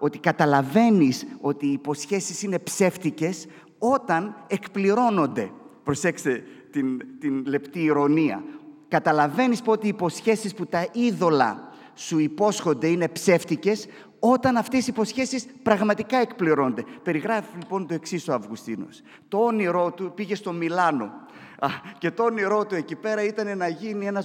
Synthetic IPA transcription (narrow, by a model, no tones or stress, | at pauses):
o̞t̪ikɐt̪ɐlɐve̞niso̞t̪iːpo̞sçe̞sisine̞pse̞ft̪ice̞s | o̞t̪ɐne̞kpliɾo̞no̞nd̪e̞pɾo̞se̞kset̪int̪inle̞pt̪iːɾo̞niɐ̰kɐt̪ɐlɐve̞nispot̪iːpo̞sçe̞sisput̪ɐiðo̞lɐ̰ | suipo̞sxo̞nd̪e̞ine̞pse̞ft̪ice̞s | o̞t̪ɐnɐft̪e̞sipo̞sçe̞sispɾɐɣmɐt̪ikɐekpliɾo̞nond̪e̞pe̞ɾiɣɾɐfilipo̞nt̪o̞eksiso̞ɐvɣust̪ḭno̞̰s | t̪o̞oniɾo̞t̪upiʝe̞st̪o̞milɐno̞ | ce̞t̪o̞oniɾo̞t̪ue̞cipe̞ɾɐit̪ɐne̞nɐʝinie̞nɐ